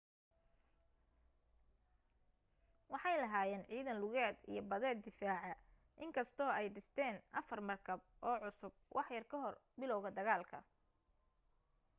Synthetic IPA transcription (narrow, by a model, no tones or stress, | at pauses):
wɑħɑjlɐɦaːjɛːnʕiːðɐnlʊɣɛːd̪ḭjɞbɐðɛːd̪ɪfaːʕɐ | ʔɪŋkʰɐst̪ʰɔːɛjɖɪst̪ʰɛːnʔɐfɐrmɐrkʰɐb | ʔɔːʕʊsʊb̚wʔɑħjɐrkʰɐɦɔrbɪlɔwɣɐd̪ɐɣaːlkʰɐ̰